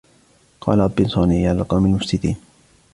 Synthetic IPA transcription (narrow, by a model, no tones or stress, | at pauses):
qɑ̰ːlaɾˤɑbːɪnsˤɑːniːjalqɑwmalmʊfsɪt̪ḭːn